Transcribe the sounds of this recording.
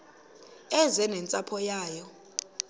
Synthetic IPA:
ɛzɛnɛnt͡sʼapʰɔjaːjɔ

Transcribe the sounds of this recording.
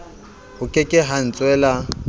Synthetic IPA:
hʊkʼɪkʼɪɦan̩t͡sʼwɛːla

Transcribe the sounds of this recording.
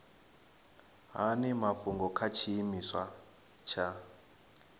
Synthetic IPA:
ɦanɛmaɸuŋɡɔkʰat͡ʃʰiːmiswa | t͡ʃʰa

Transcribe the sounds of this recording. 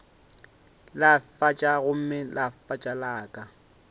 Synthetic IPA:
lafat͡ʃʼaɣʊm̩mɪlafat͡ʃʼalaːkʼa

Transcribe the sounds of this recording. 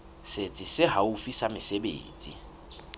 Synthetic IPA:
set͡sʼɪsɪɦaufisamɪsebḛːt͡sʼi

